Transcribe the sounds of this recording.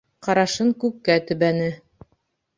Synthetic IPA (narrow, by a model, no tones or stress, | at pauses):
qɑɾɑʃɤŋkʉkːæt̪ɵ̆βænɘ